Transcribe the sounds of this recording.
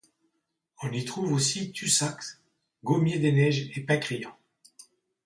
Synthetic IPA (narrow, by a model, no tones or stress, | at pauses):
ɔ̃nit̪χuvosit̪ysaks | ɡomjed̪enɛʒepãkʁijɑ̃